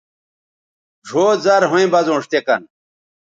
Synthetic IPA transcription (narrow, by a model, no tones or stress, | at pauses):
ʐʱoːzɐɾɦũĩbɐzõːʂt̪ekɐ̰n